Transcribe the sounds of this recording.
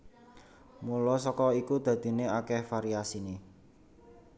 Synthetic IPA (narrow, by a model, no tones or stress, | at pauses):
mulɔs̬ɔkɔikud̪̥a̤d̪̥i̤neakɛhfaɾiasini